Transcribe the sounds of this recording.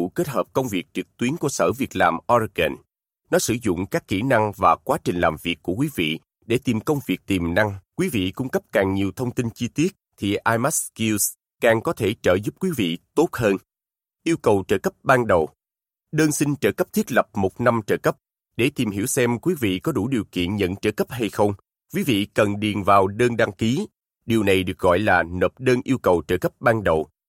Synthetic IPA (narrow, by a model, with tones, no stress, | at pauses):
u˧˨ke˦˥t̚həː˨˩p̚kə˧wŋ͡mvi˨˩ək̚t͡ɕɨ˨˩k̚t̪wi˨˦ənku˧˩əsə̰ː˧˩vi˨˩ək̚laː˨˩mʔɔ˧ɣɛ̰˨˩n | nɔ˨˦sɨ̰˧˩zʊ̰˧˨ŋ͡mkaː˦˥kːi˧˩na˧ŋvaː˨˩kwaː˨˦t͡ɕï˨˩ŋ̟laː˨˩mvi˨˩əkːu˧˩əkwi˨˦vḭ˧˨ | ɗe˧˩t̪i˨˩mkə˧wŋ͡mvi˨˩ək̚t̪i˨˩mna˧ŋkwi˨˦vḭ˧˨kʊ˧ŋ͡mkə˦˥p̚kaː˨˩ŋɲi˨˩əwt̪ʰə˧wŋ͡mt̪i˧nt͡ɕi˧t̪i˦˥ət̚t̪ʰi˨˩ʔaː˧jma˦˥ski˧s | kaː˨˩ŋkɔ˨˦t̪ʰe˧˩t͡ɕəː˧˩zʊ˦˥p̚kwi˨˦vḭ˧˨t̪o˦˥t̚həː˧n | ʔi˧əwkə˨˩wt͡ɕəː˧˩kə˦˥p̚ɓaː˧nɗə˨˩w | ɗəː˧nsï˧ŋ̟t͡ɕəː˧˩kə˦˥p̚t̪ʰi˦˥t̚lə˨˩p̚mo˨˩t̚na˧mt͡ɕəː˧˩kə˦˥p̚ | ɗe˧˩t̪i˨˩mhi˧˩əwsɛ˧mkwi˨˦vḭ˧˨kɔ˨˦ɗu˧˩ɗi˨˩wkḭ˧˨ənɲə̰˧˨nt͡ɕəː˧˩kə˦˥p̚ɦa˧jxə˧wŋ͡m | kwi˨˦vḭ˧˨kə˨˩nɗi˨˩ənvaː˨˩wɗəː˧nɗa˧ŋki˨˦ | ɗi˨˩əwna˨˩jɗɨ˨˩k̚ɣɔ̰˧˨jlaː˨˩nəː˨˩p̚ɗəː˧nʔi˧əwkə˨˩wt͡ɕəː˧˩kə˦˥p̚ɓaː˧nɗə˨˩w